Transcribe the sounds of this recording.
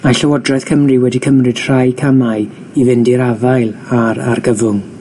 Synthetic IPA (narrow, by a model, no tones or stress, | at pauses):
maɬəwɔdrɛθkʰəmriwɛdikʰəmrɨd̥r̥ajkʰamaɨ | ivɪndiɾavajlˠaɾarɡəvʊŋ